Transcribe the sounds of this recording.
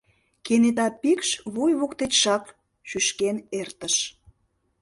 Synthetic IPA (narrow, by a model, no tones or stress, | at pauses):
kenet̪ɑpikʃβujβokt̪et̪ʲʃɑk | ʃyʃkenert̪əʃ